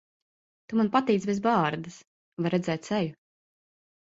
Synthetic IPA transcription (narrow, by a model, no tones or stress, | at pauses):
t̪umanpat̪iːt̪sbʲɛz̬bɑːɾd̪ɨs | vajɾɛd̪zɛːt̪sɛju